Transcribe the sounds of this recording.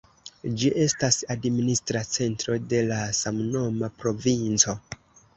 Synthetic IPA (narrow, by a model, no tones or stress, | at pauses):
d͡ʒiʔe̞stasadministɾat͡se̞ntɾo̞de̞lasamno̞mapɾo̞vint͡so̞